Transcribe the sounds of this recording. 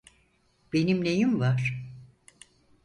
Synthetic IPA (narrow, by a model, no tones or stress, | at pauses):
b̥enimnejimvaɾ̥